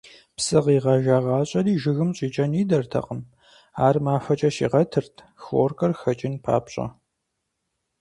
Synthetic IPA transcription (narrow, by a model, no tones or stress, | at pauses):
psɨʁiːʁɑːʒaːʁɑːɕʼɐriːʒɪɣɨmɕʼiːt͡ʃʼɐniːdɐrtʰɐ̰qʼəm | aːrmaːfɐt͡ʃʼɐʃḭːʁɐtʰɨrtʰ | xo̰rkʼɐrxɐt͡ʃʼɪnpʰa̰ːpɕʼɐ̰